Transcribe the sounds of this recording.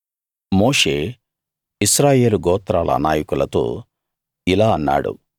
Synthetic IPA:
moːʂeː | iʃɾaːjeːluɡɔːt̪ɾaːlɐ̰naːjɐkulɐt̪o̰ː | ilaːɐnːa̰ːɽṵ

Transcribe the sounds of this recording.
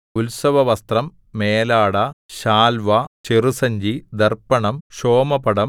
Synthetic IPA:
ulsɐʋɐʋɐst̪rɐmː | eːlaːɽɐɕaːlʋɐt͡ɕerusɐɲd͡ʑid̪ɐrpːɐɳɐmɕoːmɐpɐɽɐm

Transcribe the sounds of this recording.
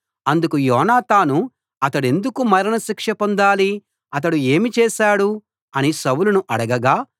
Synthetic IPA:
ɐnd̪ukujɔːnaːt̪aːnu | ɐt̪ɐɽe̞nd̪ukumɐɾɐnɐsikʂɐpond̪aːli | ɐt̪̬ɐɽueːmit͡ʃɛːʃaːɽu | ɐnisɐwulunuʔɐɽɐɡɐɡaː

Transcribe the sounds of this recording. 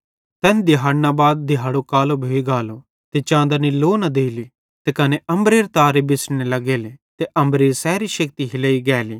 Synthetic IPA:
t̪ɛːnd̪ɪɦaːɽnabaːd̪̚ːɪɦaːɽokaːlobʱoiɡaːlo | t̪et͡ʃãːnd̪aniloːnad̪eːili | t̪ekɐneʔɐ̃mbɾeːɾt̪aːɾebɪsɽ̃elɐɡeːlet̪eʔɐ̃mbɾeːɾsɛːɾiʃɐk̚t̪iɦɪleːiɡɛːliː

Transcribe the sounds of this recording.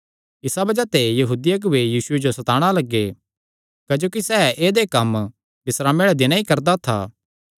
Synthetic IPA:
ɪsabɐd͡ʒat̪ejɐɦuːd̪ijaɡʊejiːsʊed͡ʒosɐt̪aːɽ̃alɐɡːe | kːd͡ʒoːkisɛːʔeːd̪ekɐm | bɪsɾaːmeɽad̪ɪñãikɐɾd̪at̪ʰa̰ː

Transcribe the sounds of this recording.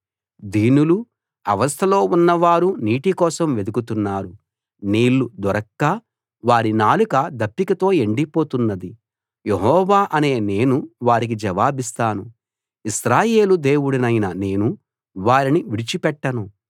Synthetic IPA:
d̪iːnulu | ɐʋɐst̪ʰɐlo̞ːunːɐʋaːɾuniːʈikɔːsɐmʋe̞d̪ukut̪unːaːɾu | niːlːud̪ɔɾɐkːaː | ʋaːɾinaːlukɐd̪ɐpːikɐt̪o̞ːeɳɖipo̞ːt̪unːɐd̪i | jeɦɔːʋaːʔɐne̞ːne̞ːnuʋaːɾik̬id͡ʒɐʋaːbist̪aːnu | iʃɾaːje̞ːlud̪e̞ːwuɽinɐjnɐne̞ːnu | ʋaːɾiniʋiɽit͡ʃipɛʈːɐnu

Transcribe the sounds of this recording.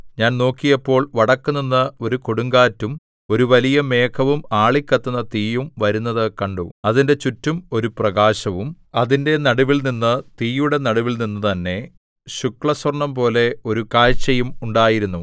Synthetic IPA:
ɲaːnno̞ːkːijɐpːo̞ːɭʋɐɽɐkːuninːɐo̞ɾuko̞ɽuŋɡaːtːum | o̞ɾuʋɐlijɐme̞ːkʰɐʋumaːɭikʲːɐt̪ːunːɐt̪iːjumʋɐɾunːɐðɨkɐɳɖuɐðinde̞t͡ɕutːumo̞ɾuprɐɡaːɕɐʋum | ɐðinde̞nɐɽuʋilninːɨt̪iːjuɽe̞nɐɽuʋilninːɨt̪ɐnːe̞ | ɕukɭɐswɐrɳɐmpo̞ːle̞o̞ɾukaːɻt͡ɕːɐjumuɳɖaːjiɾunːu

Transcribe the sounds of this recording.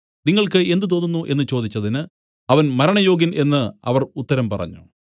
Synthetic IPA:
niŋːɐɭkɨe̞nd̪ɨt̪̬o̞nːunːuʔe̞nːɨt͡ɕo̞ːd̪it͡ɕːɐðinɨ | ɐʋɐnmɐɾɐɳɐjo̞ːɡine̞nːɨɐ̰ʋɐrut̪ːɐɾɐmpɐrɐ̰ɲːu

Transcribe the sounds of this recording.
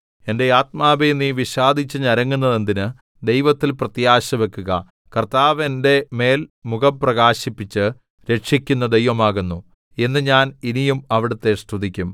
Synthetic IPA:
e̞nde̞aːt̪̚maːbejnːiʋiɕaːd̪ʱit͡ɕːɨɲɐɾɐŋːunːɐðend̪inɨ | d̪e̞jʋɐt̪ːilprɐt̪jaːɕɐʋe̞kːuɣɐ | kɐrt̪aːʋende̞me̞ːlmuɣɐpːrɐɣaːɕipːit͡ɕːɨ | ɾe̞ʈʂikʲːunːɐd̪ejʋɐmaːɣunːu | e̞nːɨɲaːninijumɐʋiɽɐt̪ːe̞st̪ud̪ʱikʲːum

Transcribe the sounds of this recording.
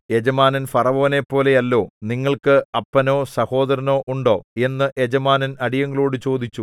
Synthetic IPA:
e̞d͡ʑɐmaːnɐnfɐrɐʋɐːɐne̞pːo̞ːle̞jɐlːo̞ːniŋːɐɭkɨɐpːɐno̞ːsɐho̞ːd̪ɐɾɐno̞ːʔuɳɖo̞ːe̞nːɨʔed͡ʑɐmaːnɐnɐɽijɐŋːɐɭoːɽɨt͡ɕo̞ːd̪it͡ɕːu

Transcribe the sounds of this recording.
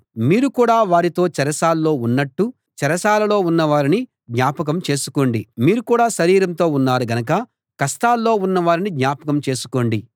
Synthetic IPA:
miːɾukuːɽaːʋaːɾit̪o̞ːt͡ʃɛɾɐsaːlːo̞ːunːɐʈːu | t͡ʃɛɾɐsaːlɐlo̞ːunːɐʋaːɾini | ɡ̪ɲaːpɐk̬ɐmt͡ʃe̞ːsu̥ko̞ːɳɖimiːɾukuːɽaːʃɐɾiːɾɐnt̪o̞ːunːaːɾuɡɐnɐk̬ɐ | kɐst̪aːlːo̞ːunːɐʋaːɾinid̪ɲaːpɐkɐmt͡ʃe̞ːsu̥ko̞ːɳɖi

